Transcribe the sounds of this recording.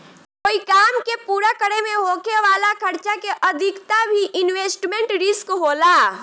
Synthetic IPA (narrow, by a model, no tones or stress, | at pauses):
koːikaːmkepuːɾakəɽemẽɦoːkeʋaːlakʰəɾt͡ʃakeʔəd̪ʱɪkt̪abʱiʔɪnweːsʈmẽɳʈɾɪskɦoːlaː